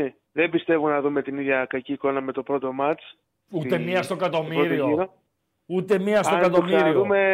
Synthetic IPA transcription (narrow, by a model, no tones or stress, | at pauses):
e | ðembist̪e̞vunɐðume̞t̪iniðʝɐkɐciːko̞nɐme̞t̪o̞pɾo̞t̪o̞mɐt͡s | uemmiɐst̪okɐt̪o̞miɾoɾioiɾo | ut̪emiɐst̪okɐt̪omiɾioðume